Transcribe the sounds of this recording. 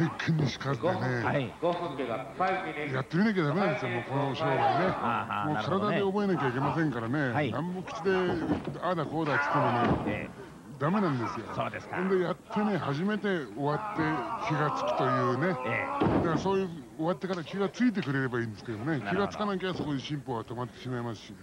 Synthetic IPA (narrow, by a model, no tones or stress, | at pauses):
ekʰːɯ̃ɲ̟ːiɕi̥kazene̞ | jat̪ːe̞minak̬ʲead̪amenãnd̪esɨjomo̞ːko̞noɕo̞ːɾoane̞mo̞ːkaɾad̪ad̪e̞o̞bo̞e̞nakʲaik̬ʲe̞masẽŋkaɾane̞ãmbokʲi̥t͡ɕid̪e̞ad̪ako̞ːd̪at͡sɨ̥t̪emone | d̪ame̞nãnd̪e̞sɨjo̞oːd̪esõnd̪ejat̪ʰːe̞ne̞haʑime̞t̪e̞o̞βat̪ːe̞keɡat͡sɨ̥kɯ̟̥t̪o̞jɯ̟ːne̞d̪akaɾaso̞ːjɯ̟ːo̞βat̪ːe̞kaɾakʲiɡat͡sɨit̪̬e̞kɯ̟ɾe̞ɾe̞baĩːnd̪esɨ̥ke̞d̪omonekʲiɡat͡sɨ̥kanak̬ʲeɡaso̞ko̞d̪eɕĩmpoβat̪o̞mat̪ːe̞̥ɕimaimasɨ̥ɕi